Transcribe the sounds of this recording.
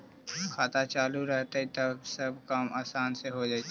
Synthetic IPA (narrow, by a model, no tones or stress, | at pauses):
kʰaːt̪at͡ʃaːluɾɛɦt̪ait̪ɐbsɐb̚ʱkaːmaːsaːnseɦod͡ʒaːit